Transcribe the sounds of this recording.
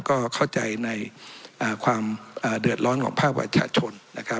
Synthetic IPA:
kɔː˥˩kʰa˥˩wt͡ɕa˧jna˧jʔaː˨˩kʰwaː˧mʔaː˨˩dɯ˨˩ət̪̚ɾɔː˦˥nkʰɔ̰ː˩˦ŋpʰaː˥˩pɾa̰˧t͡ɕʰa̰ː˧t͡ɕʰo˧nːa̰˦˥kʰa˦˥

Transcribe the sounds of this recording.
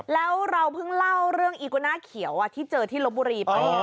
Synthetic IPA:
lɛː˦˥wɾa˧wpʰɯ˥˩ŋla˥˩wɾɯ˥˩əŋʔiː˨˩ko˧naː˥˩kʰi˨˩˦wʔa˨˩t̪ʰiː˥˩t͡ɕɤː˧t̪ʰiː˥˩lo˦˥buː˧ɾiː˧pa˧˩j

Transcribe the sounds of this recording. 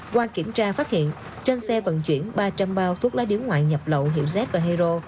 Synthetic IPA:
kwaː˧ki˧˩əmt͡ɕaː˧faː˦˥t̚hḭ˧˨ən | t͡ɕe˧nsɛ˧və̰˧˨nt͡ɕwi˧˩ənɓaː˧t͡ɕa˧mɓaː˧t̪ʰu˦˥k̚la̰ː˧˦˥ɗi˧˦ənŋwa̰ː˧˨jɲə˨˩p̚lə̰˧˨wɦḭ˧˨əwzɛ˦˥t̚vaː˨˩ɦɛ˧zo˧

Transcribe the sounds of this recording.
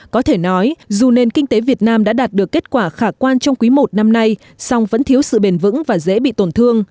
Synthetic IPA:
kɔ˨˦t̪ʰe˧˩nɔ˨˦jzu˨˩ne˧˩nkï˧ŋ̟t̪e˨˦vi˨˩ət̚naː˧mɗa̰ː˧˥ɗaː˨˩t̚ɗɨ˨˩əkːe˦˥t̚kwaː˧˩xaː˧˩kwaː˧nt͡ɕɔ˧wŋ͡mkwi˨˦mo˨˩t̚na˧mna˧j | sa˧wŋ͡mvə̰˧˥nt̪ʰi˨˦əwsɨ̰˧˨ɓe˨˩nvɨ̰˧˥ŋvaː˨˩zḛ˧˥ɓḭ˧˨t̪o˧˩nt̪ʰɨ˧əŋ

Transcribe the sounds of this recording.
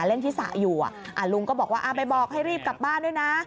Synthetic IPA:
le˥˩nt̪ʰiː˥˩sa̰˨˦juː˨˩ʔa̰˨˩ʔa˨˩lu˧ŋkɔː˥˩bɔː˨˩k̚waː˥ʔa˧˩pa˧jbɔː˨˩k̚ɦa˥˩jɾiː˥˩p̚ka˨˩p̚baː˥˩˨ndu˥˩˨jna˦˥

